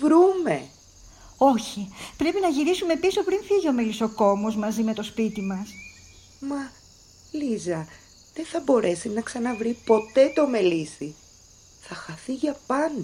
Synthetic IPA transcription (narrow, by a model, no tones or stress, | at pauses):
vɾume̞ | o̞çipɾe̞pinɐʝiɾisume̞piso̞pɾinfiʝeo̞me̞liso̞ko̞mozmɐzime̞t̪o̞spit̪imɐs | mɐ | lizɐ | ðe̞nθɐbo̞ɾʔe̞sinɐksɐnɐvɾipo̞t̪e̞t̪o̞me̞lisi | θɐxɐθiʝɐpɐnd̪